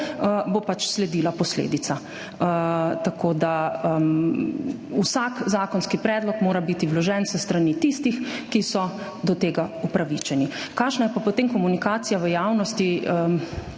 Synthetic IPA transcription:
bopat͡ʃslɛd̪iːlapɔslḛːd̪it̪sa | t̪akoːd̪a | usaːkzaːkɔnskipɾɛːd̪lɔkmoːɾabit̪iwlɔʒɛnsəst̪ɾanit̪ist̪ixkisɔ | d̪ɔt̪eːɡaupɾaʋit͡ʃɛnikaːʃnajɛpapɔt̪eːmkɔmunikaːt̪sijaʋəjaːwnɔst̪iə

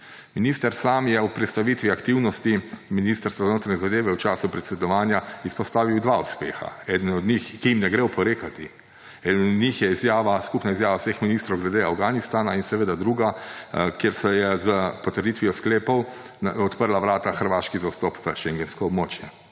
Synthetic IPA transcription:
miniːst̪əɾsaːmjɛupɾɛt̪st̪aʋiːt̪ʋiakt̪iwnɔst̪iminist̪əɾst̪ʋaznoːt̪ɾanʲɛzad̪eːʋɛwt͡ʃaːsupɾɛt̪sɛd̪ɔʋaːnjaispɔst̪aːʋiwd̪ʋauspḛːxa̰ɛːd̪ənɔd̪ɲixkijimnɛɡɾewpɔɾeːkat̪i | ɛːd̪nɔd̪nɲixjɛizjaːʋaskupnaizjaːʋawsexminiːst̪ɾɔwɡlɛd̪eawɡanist̪aːnainsɛʋeːd̪ad̪ɾuːɡakjeɾsɛjɛzəpɔt̪əɾd̪it̪ʋijɔskleːpɔw | ɔt̪pəɾlaʋɾaːt̪axəɾʋaːʃkizawst̪ɔpʋəʃɛŋɡɛnskɔːbmoːt͡ʃjɛ

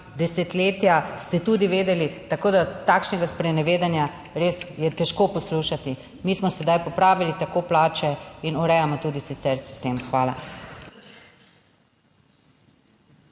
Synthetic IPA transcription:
d̪ɛsɛt̪leːt̪jast̪ɛt̪ud̪iʋeːd̪ɛlit̪akoːd̪at̪akʃnɛɡaspɾɛnɛʋeːd̪anja | ɾeːsjɛt̪ɛʃkoːpɔsluːʃat̪i | miːsmɔsɛd̪ajpɔpɾaːʋilit̪akoːplaːt͡ʃɛinɔɾɛjamɔt̪uːd̪isit̪sɛɾsi̥st̪eːmxʋaːla̰

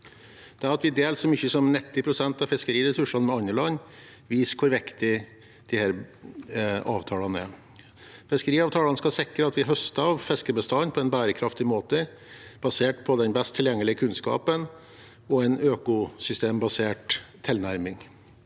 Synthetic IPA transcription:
d̪̥ɛæɾɑt̪ʋɪd̪eːlsɔmʏçːəsɔmnɪt̪ːɪpʰɾʊsɛnt̪ɑfɪskəɾiːɾɛsʉʂɑnmɛɑnəɭɑnː | ʋiːskʰʊɾʋɪkt̪ɪ | d̪̥ɪhæːɾ | ɑ̰ːʋt̪ʰɑːlɑnəæ̰ | fɛskəɾiːɑʋt̪ʰɑːlɑnskɑsɪkːəɾəɑt̪ʋɪɦœst̪əɑʋfɛskəbəst̪ɑnpʰɔɛnbæːɾəkʰɾɑft̪ɪmoːt̪ə | b̥ɑseːʈpʰɔd̪ɛnbɛst̪ʰːɪljɛŋːəlɪəkʰʉnskɑ̰ːpən | ɔɛnøːkʊsʏst̪eːmbɑseːʈt̪ʰːɪlnæɾmɪŋ

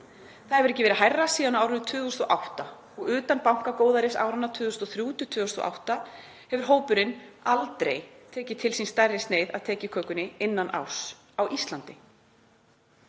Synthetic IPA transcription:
θaɛvʏɾɛcːɪvɛɾɦajrːasiːðanaːwɾʏnt̪ʰʏːðʏst̪ɔʔawht̪a | ɔɣʏːt̪anpawŋ̥kakoːwðaɾɪsa̰ːwɾanːat̪ʰʏːðɣʏst̪ɔθɾjuːt̪ʏt̪ʰʏːðʏst̪ɔ̰ʔa̰wht̪a | hɛvʏɾ̥ɦoːwpʏɾɪnalt̪ɾḛjt̪ʰɛːcɪt̪ʰɪlsinst̪ɛrːɪst̪neːjðaðt̪ʰɛːcɪkʰœːkʏnɪɪnːanʔa̰ws | awʔist̪lant̪ɪ

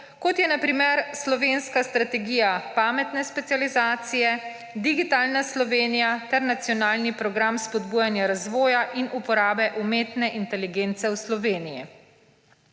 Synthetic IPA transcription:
kɔt̪jɛnapɾimɛɾslɔʋeːnskast̪ɾat̪ɛɡiːjapaːmɛt̪nɛspɛt̪ijalizaːt̪sijɛ | d̪iɡit̪aːlnaslɔʋeːnijat̪ɛɾnat̪sijɔnaːlnipɾɔɡɾamspɔd̪buːjanjaɾazʋɔːjaʔinupɔɾaːbɛʔumeːt̪nɛʔint̪ɛliɡeːnt̪sɛwslɔʋeːnijḭ

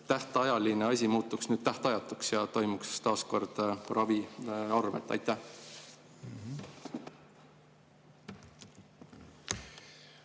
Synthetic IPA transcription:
t̪æht̪ɑjɑlineɑsʲimuːt̪ːˑuksnyːd̪̥̚t̪æht̪ɑjɑt̪ːˑuksjɑt̪o̞jmukst̪ɑːsko̞rd̪̥rʔɑviɑrve̞̰t̪ːˑɑ̰jt̪ːˑæh

